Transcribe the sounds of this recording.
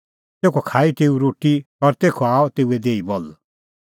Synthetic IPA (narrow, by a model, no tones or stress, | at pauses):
t̪eːkʰɔkʰaːit̪eːuɾoːʈiɔɾt̪eːkʰoaːɔt̪eːued̪eːibɔl